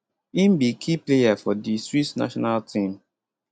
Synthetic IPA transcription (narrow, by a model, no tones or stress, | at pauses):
imbikʰiplejafɔdistɹitna̰ʃɔnaltʰĩm